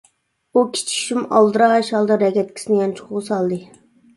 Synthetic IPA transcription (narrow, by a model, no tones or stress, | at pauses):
ukʲʰi̥t͡ʃʰi̥ʃimɑ̰lˠd̪ɨɾɑʃɑlˠd̪ɑɾɛkʲʰɛt̪̚kʲi̥sɪnɪjɑnt͡ʃʰu̥qʊʁsɑlˠd̪ɨ